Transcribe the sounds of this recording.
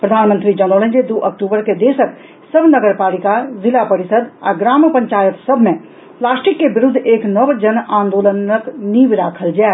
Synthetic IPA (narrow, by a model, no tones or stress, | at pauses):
pɾəd̪ʱaːnmənt̪ɾid͡ʒənoːlə̃nd͡ʒed̪uʔək̚ʈuːbəɾked̪eːsək | səbʱnəɡəɾpaːlikazilapəɾisəd̪a̰ɡɾaːmpəɲt͡ʃaːjət̪səbʱmẽ | plaːsʈikːebiɾud̪ʱːeːknəbd͡ʒənaːnd̪oːlənəknibɾaːkʰəld͡ʒa